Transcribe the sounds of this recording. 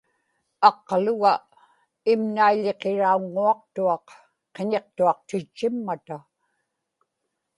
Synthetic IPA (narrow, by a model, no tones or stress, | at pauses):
ɑqlʊɣa | ɪmnaiʎe̞qe̞ɻauŋːuɑq̚t̪uɑq | qeɲe̞q̚t̪uɑq̚t̪ɪt͡ʃːɪmːat̪a